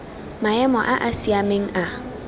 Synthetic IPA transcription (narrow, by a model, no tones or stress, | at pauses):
maɛmɔʔaʔasiameŋ̩a